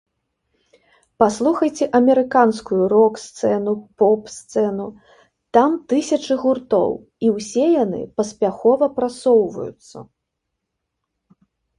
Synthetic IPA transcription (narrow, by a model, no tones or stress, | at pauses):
paslˠuxɐjt͡sʲɛʔɐmʲɛɾɨkanskujuɾɔkst̪sɛnupɔpst̪sɛnu | t̪amt̪ɨsʲɐt͡ʂɨɣurt̪ɔ̰w | iwsʲɛjanɨ̰pɐsʲpʲaxɔvɐpɾat̪sɔwvɐ̰jṵt̪sːɐ̰